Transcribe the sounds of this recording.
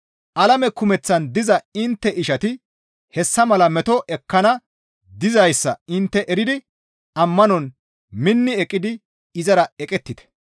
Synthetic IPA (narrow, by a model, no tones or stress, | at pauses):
ʔɐlɐmɛkʊmɛt͡sːɐnd̪ɪzɐɪnt̪ːɛʔɪʃɐt̪ɪ | hɛsːɐmɐlɐmɛt̪ɔʔɛkːɐnɐ | d̪ɪzɐjsːɐɪnt̪ːɛʔɛɾɪd̪ɪ | ɐmːɐnɔn | mɪnːɪɛkʼːɪd̪ɪ | ɪzɐɾɐɛkʼɛt̪ːɪt̪ɛ̥